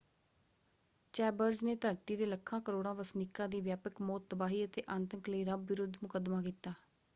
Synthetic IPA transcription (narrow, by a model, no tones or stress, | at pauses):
t͡ʃɛːbəɾd͡ʒneːt̪əɾt̪iːd̪eːləkʰːãːkəɾoːɽãːʋəsnikːãːd̪iːʋjaːpəkmɔːt̪ːəbaːɦiːət̪eːʔə̃ːnt̪əkləiːɾəbʋɪɾʊd̪ʱmʊkəd̪maːkiːt̪aː